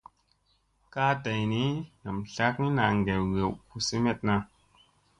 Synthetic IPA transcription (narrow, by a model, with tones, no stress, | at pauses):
ka˦ta˨jni˦na˨mɬa˦k̚ni˦na˨ŋ˨ɡe˨wɣe˨wku˨si˦me˦t̚na˧